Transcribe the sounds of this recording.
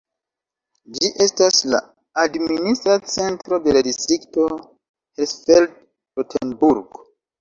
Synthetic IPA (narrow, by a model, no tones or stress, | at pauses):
d͡ʒiʔe̞stasla̰ | administɾat͡se̞ntɾo̞de̞ladistɾikto̞ | hesfeld̚ | potʰḛnbuɾɡo